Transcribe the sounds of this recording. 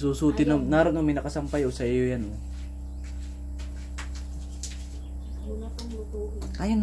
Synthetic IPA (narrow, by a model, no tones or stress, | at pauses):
suːsuːt̪ɪnomnaːɾonomɐɪnɐkɐsɐmpajʔosɐʔɪjojanʔo | ʔajan